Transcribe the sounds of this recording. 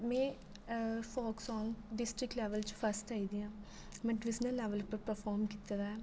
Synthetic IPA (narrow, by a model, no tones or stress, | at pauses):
mɛ̃ː | fɔːksɔːŋɡɖɪsʈɾɪkʈlɛːʋəlt͡ʃpʰəsʈ̪aːid̪iːãː | mɛ̃ːɖʋɪsnəlːɛːʋəlpəɾpəɾpʰɔːɾmkɪt̪ɾaɛː